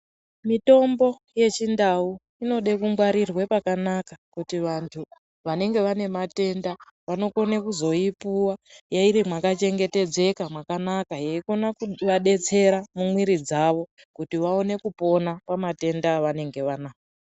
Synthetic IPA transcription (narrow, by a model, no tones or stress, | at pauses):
mito̞mbo̞ | je̞t͡ʃindau | ino̞ɗekuŋɡwaɾirwe̞pakanakakutiʋantʰu | ʋane̞ŋɡe̞ʋane̞mate̞nda | ʋano̞ko̞nekuzo̞ipuwajaiɾimwakat͡ʃe̞ŋɡe̞te̞d͡ze̞kamwakanakajeiko̞nakuʋaɗe̞t͡se̞ɾamumwiɾid͡zaʋo̞ | kutiʋao̞ne̞kupo̞napamate̞ndaːʋane̞ŋɡe̞ʋanaːko